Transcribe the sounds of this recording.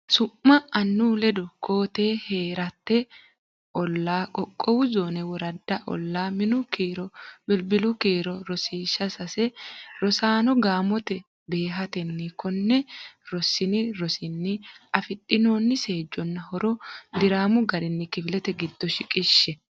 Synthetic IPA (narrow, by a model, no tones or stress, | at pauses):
sʊmːɐɐnːuːlɛd̪ɔkʰoːt̪eːheːɾɐt̪ːɛ | ɔlːaːkʼɔkʼːɔwʊzoːnɛwɔɾɐd̪ːɐʔɔ̰lːaːmɪnʊkeːɾɔbɪlbɪlʊkeːɾɔɾɔsiːʃɐsɐsɛɾɔsaːnɔɡaːmɔt̪ɛ | beːɦɐt̪ɛnːɪkɔnːɛɾɔsɪnɪɾɔsɪnːɪɐfɪtʼːɪno̞ːnːɪse̞ːd͡ʒːɔnːɐhɔɾɔd̪ɪɾaːmʊɡɐɾɪnːɪkɪfɪlɛt̪ɛɡɪd̪ːɔʃɪkʼɪʃːɛ